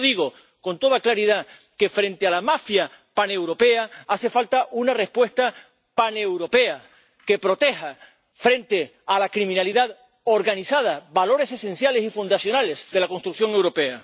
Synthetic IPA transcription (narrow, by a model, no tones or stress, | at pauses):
ðiɣo̞ | ko̞nt̪o̞ð̞aklaɾiða | ke̞fɾe̞nt̪ealamafja | pane̞wɾo̞pe̞aase̞falt̪aʔunare̞spwe̞st̪a | pane̞wɾo̞pe̞a | ke̞pɾo̞t̪e̞ha | fɾe̞nt̪e̞ | alakɾimĩnaliðað | o̞ɾɣanisað̞abalo̞ɾe̞se̞se̞nsjale̞sifund̪asjo̞nale̞zðe̞lako̞nst̪ɾuk̚θjo̞ŋe̞wɾo̞pe̞a